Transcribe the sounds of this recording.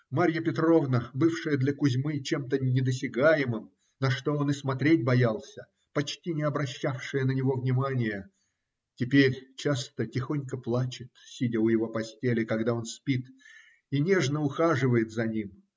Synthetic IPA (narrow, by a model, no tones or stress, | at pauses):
maɾʲjəpʲɪt̪ɾo̞vnəbɨfʂɨjəd̪lʲəkʊzʲmɨt͡ɕe̞mt̪ənʲɪd̪əs̬ʲɪɡajɪmɨm | nɐʂt̪o̞onɨsmɐt̪ɾʲet̚ʲbɐjalˠsʲə | pɐt͡ɕtʲinʲɪɐbɾɐɕːafʂɨjənənʲɪvo̞vnʲɪmanʲɪjə | tʲɪpʲeɾʲt͡ɕast̪ətʲɪxo̞nʲkəplˠat͡ɕɪt̪sʲidʲəʊjɪvo̞pɐsʲtʲelʲɪkɐɡd̪ao̞nspʲit̪ | inʲe̞ʐnəʊxaʐɨvəjɪt̪zɐnʲim